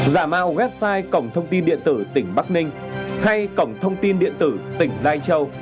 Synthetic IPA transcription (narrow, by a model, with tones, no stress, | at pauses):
zaː˧˩ma̰ː˧˨wɣwɛ˦˥p̚saː˧jkə˧˩wŋ͡mt̪ʰə˧wŋ͡mt̪i˧nɗḭ˧˨ənt̪ɨ˧˩t̪ï˧˩ŋ̟ɓa˦˥k̚nï˧ŋ̟ | ha˧jkə˧˩wŋ͡mt̪ʰə˧wŋ͡mt̪i˧nɗḭ˧˨ənt̪ɨ˧˩t̪ï˨˧˩ŋ̟laː˧jt͡ɕə˧w